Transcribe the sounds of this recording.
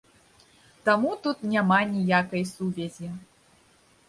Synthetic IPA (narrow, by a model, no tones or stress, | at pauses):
t̪amut̪ut̪nʲamanʲijakɐjsuvʲɛzʲi